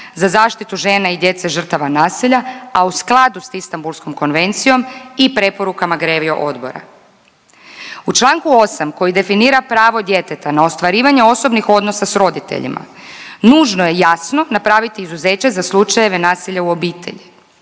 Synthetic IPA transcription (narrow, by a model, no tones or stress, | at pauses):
zazaːʃt̪it̪uʒe̞ːnaid̪je̞t̪se̞ʒr̩t̪aʋanaːsiʎaausklˠad̪usist̪ambulˠsko̞mko̞nʋe̞nt̪sijo̞mipɾe̞po̞ɾukamaɡɾeːʋio̞̰ʔo̞d̪bo̞̰ɾa̰ | ut͡ʃlˠaːŋkuo̞samko̞jid̪e̞finiːɾapɾaːʋo̞d̪je̞t̪e̞t̪anaost̪ʋaɾiːʋaɲeo̞so̞bnixo̞d̪no̞sasɾo̞d̪it̪ḛʎḭmʔa̰ | nuːʒno̞je̞jasno̞napɾaʋit̪iːzuze̞ːt͡ɕezaslˠut͡ʃajeʋe̞naːsiʎauo̞biːt̪ʰe̞̰ʎi